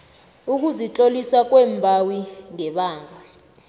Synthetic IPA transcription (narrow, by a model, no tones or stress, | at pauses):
uk̬uzit͡ɬʼolisak̬ʼwɛːmbʱawiŋɛɓaːŋʱa